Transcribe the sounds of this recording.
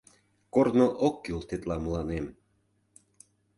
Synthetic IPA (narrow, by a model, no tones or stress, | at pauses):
kornoʔokːylt̪et̪lɑmə̆lɑnem